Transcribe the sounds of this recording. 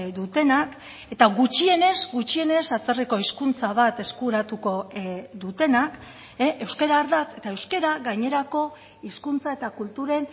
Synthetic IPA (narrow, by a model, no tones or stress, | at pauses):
d̪ut̪e̞nak | e̞t̪aɣut͡ʃie̞ne̞zɡut͡ʃie̞ne̞sat͡seriko̞iskunt͡saβ̞at̪e̞skuɾat̪uko̞ðut̪e̞nak | eʔe̞wskeɾaːɾðat͡s̪e̞t̪aewskeɾaɣajɲe̞ɾako̞ | iskunt͡saet̪akult̪uɾe̞n